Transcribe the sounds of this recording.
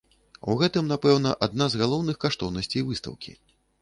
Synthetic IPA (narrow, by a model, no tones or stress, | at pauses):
uɣɛt̪ɨmnapɛwnɐʔad̪̚nazɣalˠɔwnɨxkaʂt̪ɔwnɐsʲt͡sʲejvɨst̪ɐ̰wkʲḭ